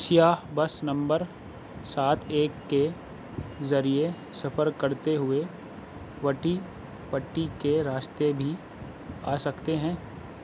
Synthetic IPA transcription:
ʃjaːɦbɐsnɐ̃mbəɾ | saːt̪ʰeːkːe | zɐɾie | sɐpʰəɾkɐɾt̪eɦʊe | ʋɐʈi | pɐʈːikeɾaːʃt̪ebʱi | aːsɐkt̪eɦɛ̃ː

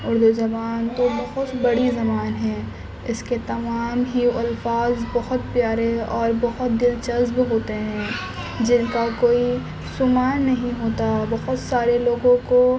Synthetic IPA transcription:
ʊɾd̪uzɐbaːnt̪obɐɦʊt̪bɐɽizɐmaːnɦɛ̃ː | ɪsket̪ɐmaːmɦiɐlfaːzbɐɦʊt̪pjaːɾeɔːɾbɐɦʊt̪̚d̪ɪlt͡ʃɐzbɦoːt̪eɦɛ̃ː | d͡ʒɪnkakoːi | sʊmaːnːɐɦĩɦoːt̪abɐɦʊt̪saːɾeloːɡõko

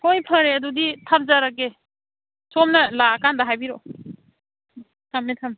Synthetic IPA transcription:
hojpʰɐɾeɐduditʰap̚zaɾaɡe | somnɐlakandaɦajbiɾo | tʰamnetʰam

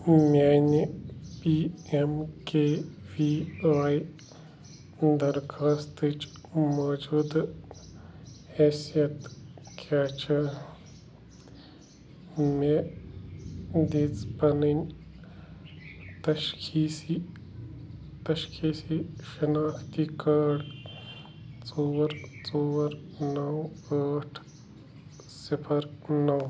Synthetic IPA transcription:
mʲaːnipiːemkeː | ʋiʋaːj | d̪ɐɾkʰaːst̪ɨt͡ʃmoːd͡ʒuːd̪ | hɛːsijɐt̪kʰaːt͡ʃʰɐ | me | d̪iːt͡spɐnɐn | t̪ɐʃkʰiːsi | t̪ɐʃkʰiːsiʃɐnaːkʰt̪ikaːɽ | t͡soːɾt͡soːɾnɐwaːʈʰ | sipʰɐɾnɐw

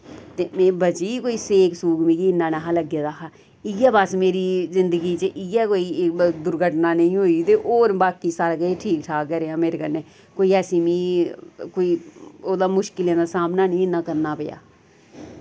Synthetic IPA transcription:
t̪eːmɛ̃ːbət͡ʃiːkoːiːseːksuːkmĩːkiːɪnːãːnaɦãːləɡjaːd̪aːkaː | ɪjaːbəsmeːɾiːzɪnd̪əɡiːt͡ʃəʔɪjɛːkoːiːd̪ʊɾɡʱəʈnaːnəĩːɦoːiːt̪eːʔoːɾbaːkiːsaːɾkeːʈʰiːkʈʰaːkɛɾeaːmeːɾeːkəɾneː | koːiːɛːsĩːmĩːkoːiːoːd̪aːmʊʃkɪljãːd̪aːsaːmnaːnĩːɪnːãːkəɾnaːpɪja̰ː

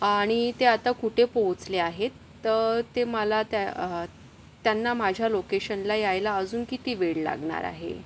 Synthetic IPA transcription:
aɽ̃it̪eat̪akuʈʰepoɦt͡sleaɦet̪ːət̪eməlat̪a | t̪janːamad͡ʑʱjalokeɕənlajajlaəd͡zuːnkit̪iːʋeɭla̰ɡɳa̰ɾa̰ɦḛ

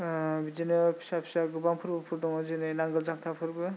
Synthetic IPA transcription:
bid͡ʒinɯpʰi̥sapʰi̥saɡɯbaŋpʰɯɾbɯpʰuɾdɔŋɯzɯnɯjnaŋɡɯlzaŋt̪ʰapʰɯɾbɯ

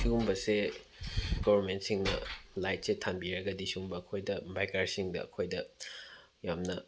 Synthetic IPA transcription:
siumbɐse | ɡɔβɐɾmentsiŋnɐ̰lajt̚setʰanbiɾɐɡɐdisiuŋbɐːkʰojdɐbʱajkaɾsiŋdɐ̰ɐ̰kʰojdɐ | jamnɐ

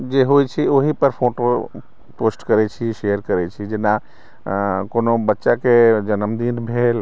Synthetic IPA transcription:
d͡ʒeɦojt͡ʃʰioɦipəɾpʰoʈo | posʈkəɾɛt͡ʃʰiʃejəɾkəɾɛt͡ʃʰid͡ʒena | konobətːʃaked͡ʒənəmd̪inbʱel

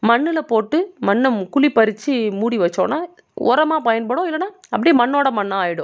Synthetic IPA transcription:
mɐɳːɯlɐpoːʈːɯmɐnːɐmkʊɭipɐɾɪt͡ʃːɯmuːɽiʋɐt͡ʃːõ̰ːnaː | ʔɔ̰ɾɐmaːpɐjɐnpɐɽõːɪlːɐnaː | ɐpːɐɽimɐɳːoːɽɐmɐnːɐaːjɪɽʊ̃

